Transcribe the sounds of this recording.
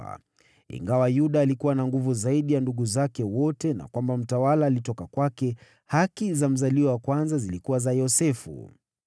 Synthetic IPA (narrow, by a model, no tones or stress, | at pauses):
a̰ | ḭŋɡawajuɗaːlikuwanaŋɡuvuzaiɗijanduɠuzakɛwɔtɛna̰kwambam̩tawalaːlitɔkakwakɛ | hakizam̩zaliwawakwanzazilikuwazajɔsɛfṵ